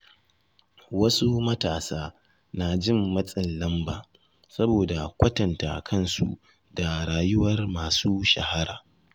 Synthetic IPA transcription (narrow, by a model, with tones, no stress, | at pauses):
wɐ˦su˦mɐ˦taː˨saː˦ | na˨d͡ʒɪ˦˨mːɐ˦sʼɪ˨nlɐ˦mbaː˨ | sɐ˦boː˨da˨kʷɐ˦tɐ˨nta̰ː˨kʰɐ˦˨nsṵ˨ | da˨ɽaː˨jʊ˦wɐ˦rmaː˨suː˦ʃɐ̰˨ha˦ɽaː˨